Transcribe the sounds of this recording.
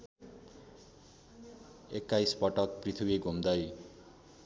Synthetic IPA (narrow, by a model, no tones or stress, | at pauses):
ekːajspʌʈʌk̚prit̪ʰubiɡʱumd̪ʌj